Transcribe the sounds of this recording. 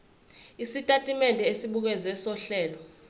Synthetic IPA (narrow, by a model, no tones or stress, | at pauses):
isitʼatʼimɛndʱʼɛesiɓuk̬ɛzɛsɔɬɛːlɔ